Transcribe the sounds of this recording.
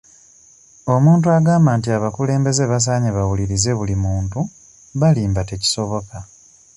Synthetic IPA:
o̞muːntuaɡaːmbaːntiaβakule̞ːmbe̞ze̞βas̬aːɲeβawuliɾize̞βulimuːntu | βaliːmbate̞ci̥so̞βo̞ka

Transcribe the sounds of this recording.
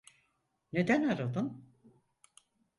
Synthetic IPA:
ne̞d̪ænaɾad̪ɯn

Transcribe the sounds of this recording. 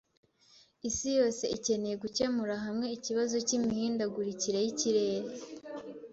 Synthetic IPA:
isijo̞ːse̞ice̞ne̞jeɡuce̞muɾaɦamŋe̞iciβazo̞cimihiːndaɡuɾiciɾe̞jiciɾe̞ːɾe

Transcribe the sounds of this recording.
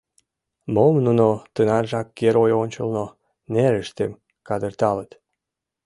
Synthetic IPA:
momnunot̪ənɑrʒɑkːeɾojonʲt͡ɕə̰lno | neɾəʃt̪em | kɑd̪ərt̪ɑlət̪

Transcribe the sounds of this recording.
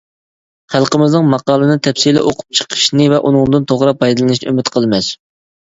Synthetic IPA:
χælˠqəmɪznɨŋmɑqɑːlˠɨnɨt̪ʰɛpsilɛ̰ʔoqʰʊ̥p̚t͡ʃʰə̥qʰə̥ʃnɨvɛʔunɨŋd̪ɨnt̪ʰoʁɾɑp̚ʰːɑjd̪ɨlˠɨnɨʃnɨ̰ømɪt̪qʰəlˠmɛs

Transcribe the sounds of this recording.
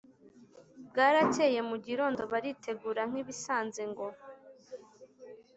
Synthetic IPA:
b̚ɡaːɾaceːje̞muɟiɾo̞ːndo̞βaɾitʰe̞ɡuːɾaŋ̥iβisaːnzeŋɡo̞

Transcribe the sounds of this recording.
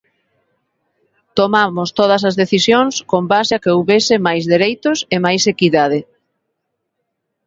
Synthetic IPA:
t̪omamʊst̪oð̞ɐs̬ɐzðeθisjoŋskombasɪakeowβesɪmajzðeɾejt̪ʊsemajsekiðað̞ɪ

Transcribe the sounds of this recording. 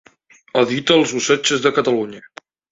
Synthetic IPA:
əðit̪əlˠzusɛt͡ʃəzðəkət̪əluɲə

